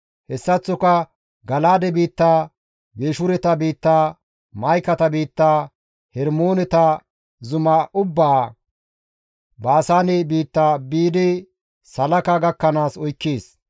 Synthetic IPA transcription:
hɛsːɐt͡sːɔkɐ | ɡɐlaːd̪ɛbiːt̪ːaː | beːʃʊɾɛt̪ɐbiːt̪ːaː | mɐjkɐt̪ɐbiːt̪ːaː | hɛɾmoːnɛt̪ɐ | zʊmɐʊbːaː | baːsaːnɛbiːt̪ːaːbiːd̪ɪ | sɐlɐkaɡɐkːɐnaːsɔjkːeːs

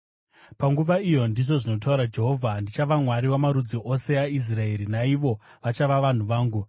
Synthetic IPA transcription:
paŋɡuʋaijo̞ndiʐo̞ʐino̞t̬auɾad͡ʒe̞ɦo̞vʱandit͡ʃaʋamwaɾiwamaɾud͡ziʔo̞se̞ais̬rae̞ɾinaiʋo̞ | ʋat͡ʃaʋaʋan̤uʋaːŋɡu

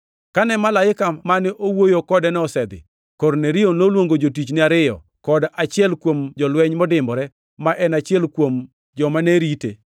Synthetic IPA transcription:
kanɛmalajɪkamanɪʔowojokɔdɛnɛɔsɛd̪ɪ̰ | koɾneɾijonolwoŋɡod͡ʒotit͡ʃnɪaɾɪjɔ̰ | kɔdat͡ʃɪɛlkwomd͡ʒɔlwɛɲmɔdɪmbɔɾɛ | maʔɛnat͡ʃɪɛlkwom | d͡ʒɔmanɛɾite

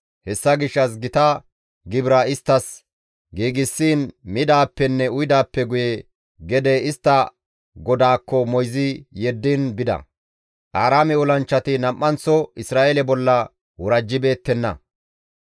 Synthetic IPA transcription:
hɛsːɐɡɪʃːɐs̬ɡɪt̪ɐ | ɡɪbɾaɪst̪ːɐs | ɡiːɡɪsːiːnmɪd̪aːpːɛnːɛʊjd̪aːpːɛɡʊjɛ | ɡɛd̪ɛɪst̪ːɐ | ɡɔd̪aːkːɔmɔjzɪjɛd̪ːinbɪd̪ɐ̰ | ʔaːɾaːmɛɔlɐnt͡ʃːɐt̪ɪnɐmʔːɐnt͡sːɔɪsɾaːʔelɛbɔlːɐ | wɔɾɐd͡ʒːɪbe̞ːt̪ːɛnːɐ̰

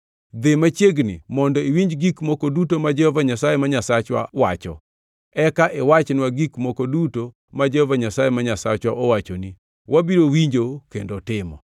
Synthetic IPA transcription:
d̪ɪmat͡ʃjeɡnɪ̰mɔndɔiwiɲd͡ʒɡikmokodutomad͡ʒɛhɔvaɲasajemaɲasat͡ʃwa̰wa̰t͡ʃɔ̰ | ɛkaʔewat͡ʃnwaɡikmokoduto | mad͡ʒɛhovaɲasajemaɲasat͡ʃwaʔowat͡ʃoni | wabiɾowiɲd͡ʒokendotɪmɔ̰

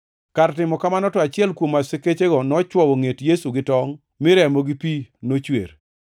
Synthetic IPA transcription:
kaɾtɪmɔkamanɔtɔat͡ʃɪɛlkwomaseket͡ʃeɡɔnɔt͡ʃwɔwoŋetjesuɡɪtɔŋ | mɪɾɛmoɡipinot͡ʃwḛɾ

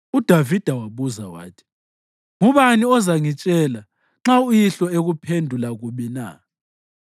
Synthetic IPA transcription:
ud̥ʱavid̥ʱawaβuza̰wa̰ːtʰi̥ | ŋuβaniɔzaŋit͡ʃʼɛla | ŋ͡ǁaujiɬɔeɣupʰendʱulaɣuɓina̰

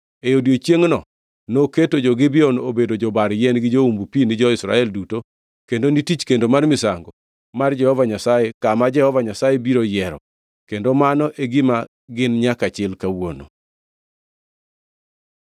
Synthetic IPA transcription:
eodiot͡ʃjeŋnɔ | noketod͡ʒɔɡɪbɪɔnobedod͡ʒɔbaɾjɛnɡɪd͡ʒoumbupinid͡ʒɔɪsɾa̰ɛlduto | kendonitit͡ʃkendomarmɪsaŋɡɔ | mard͡ʒɛhɔvaɲasajekamad͡ʒɛhɔvaɲasajebiɾojɛɾɔ̰ | kendomanɔʔeɡɪma | ɡɪnɲakat͡ʃɪlkawono̰

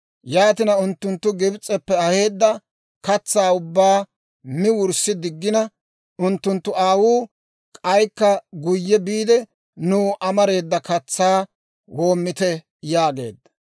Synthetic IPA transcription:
jaːt̪ɪnɐʊnt̪ːʊnt̪ːʊɡɪbt͡sʼːɛpːɛɐhe̞ːd̪ːɐ | kɐt͡sːaːʊbːaː | mɪwʊɾsːɪd̪ɪɡːɪnɐ | ʊnt̪ːʊnt̪ːʊaːwuː | kʼɐjkːɐɡʊjːɛbiːd̪ɛ | nuːʔɐmɐɾe̞ːd̪ːɐkɐt͡sːaː | wo̞ːmːɪt̪ɛ | jaːɡe̞̰ːd̪ːɐ

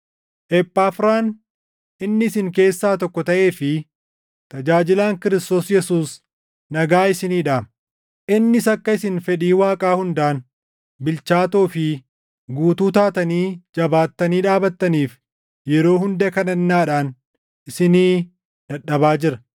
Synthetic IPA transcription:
ʔɛpʼːaːfɾaːn | ʔɪnːɪɪsɪŋke̞ːsːaːt̪ɔkːɔt̪ɐʔe̞ːfɪ | t̪ɐd͡ʒaːd͡ʒɪlaːŋkɪɾɪst̪o̞ːsjɛsuːs | nɐɡaːɪsɪniːᶑaː | ʔɪnːɪsɐkːɐɪsɪnfɛᶑiːwaːkʼaːhʊnd̪aːn | bɪlt͡ʃaːt̪oːfɪ | ɡuːt̪uːt̪aːt̪ɐniːd͡ʒɐbaːt̪ːɐniːᶑaːbɐt̪ːɐniːf | jɛɾo̞ːhʊnd̪ɛkɐnɐnːaːᶑaːn | ʔɪsɪniː | ᶑɐɗɐβaːd͡ʒɪɾɐ

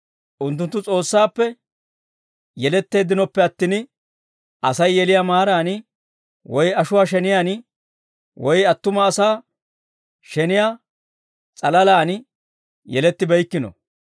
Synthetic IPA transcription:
ʔʊnt̪̬ːʊnt̪ːʊt͡sʼo̞ːsːaːpːɛ | jɛlɛt̪ːe̞ːd̪ɪnɔpːɛɐt̪ːɪn | ʔɐsɐjːɛlɪjaːmaːɾaːnɪ | wɔjɐʃʊwaːʃɛnɪjaːn | wɔjɐt̪ːʊmɐːsaː | ʃɛnɪja | t͡sʼɐlɐlaːn | jɛlɛt̪ːɪbɛjkːɪnɔ̰

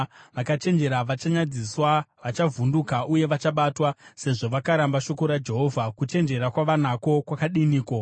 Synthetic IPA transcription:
ʋakat͡ʃe̞nd͡ʒe̞ɾaʋat͡ʃaɲad͡ziswaʋat͡ʃavundukaʔuje̞ʋat͡ʃaɓaːtwase̞ʐo̞ʋakaɾambaʃo̞ko̞ɾad͡ʒe̞ɦo̞ːvʱakut͡ʃe̞nd͡ʒe̞ɾakwaʋanako̞kwakaɗiniːko̞

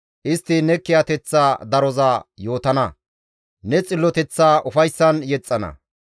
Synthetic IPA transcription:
ʔɪst̪ːɪnɛkːɪjat̪ɛt͡sːaːd̪ɐɾɔzaːjo̞ːt̪ɐnɐ | nɛt͡sʼɪlːɔt̪ɛt͡sːaːʔʊfɐjsːɐnjɛt͡sʼːɐnɐ̰

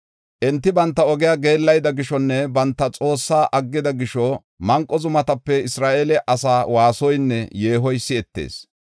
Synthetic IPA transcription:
ʔɛnt̪ːɪbɐnt̪ːɐɔɡɪjaɡe̞ːlːɐjd̪ɐɡɪʃɔnːɛbɐnt̪ːɐt͡sʼo̞ːsːaːʔɐɡːɪd̪ɐɡɪʃɔ | mɐŋkʼːɔzʊmɐt̪ɐpːɛɪsɾaːʔelɛʔɐsaːwaːsɔjnːɛje̞ːɦɔjsːɪɛt̪ːḛːs

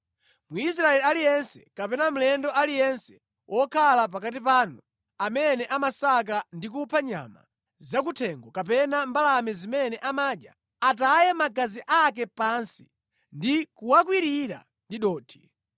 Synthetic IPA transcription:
muis̬ɾaɛlialijɛnsɛ̥kapɛnam̩lɛndɔʔalijɛnsɛ̥ | wʔɔkʰalap̬akat̬ipaːnu | amɛnɛʔamasak̬andik̬upʰaɲa̰ma̰ | zak̬utʰɛŋɡɔkap̬ɛnambalamɛzimɛnɛʔamaːɗja̰ | atajɛmaɡaziʔak̬ɛpansi̥ | ndikuwak̬wiɾiɾa̰ | ndiɗɔːtʰi̥

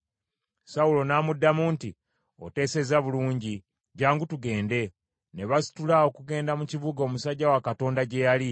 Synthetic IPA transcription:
saulo̞naːmudːamuːnti | o̞̰te̞ːse̞zaβuluːɲɟi | ɟaːŋɡutuɡe̞ːnde̞ | ne̞βasi̥tulao̞kuɡe̞ːndamucivuɡo̞ːmusaɟːawakato̞ːndaɟe̞jali

